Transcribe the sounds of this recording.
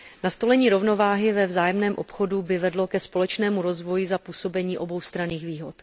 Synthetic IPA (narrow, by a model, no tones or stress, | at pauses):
nast̪o̞lɛɲiːɾo̞vno̞vaːɦɪvɛvzaːjɛmnɛːmʔo̞pxo̞dubɪvɛdlo̞kɛspo̞lɛt͡ʃnɛːmuɾo̞zvo̞jɪzapuːsobɛɲiːʔo̞bo̞wst̪ɾaniːxviːɦo̞t̪